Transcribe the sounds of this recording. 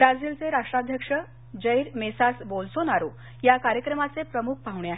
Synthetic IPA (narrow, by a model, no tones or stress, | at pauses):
bɾad͡ziːlt͡seɾaʂʈɾad̪ʱjəkʂə | d͡ʑəjɾmesasbolsonaɾo | jakaɾjəkɾəmat͡sepɾəmuk̚ʰpaɦuɳ̃eaɦe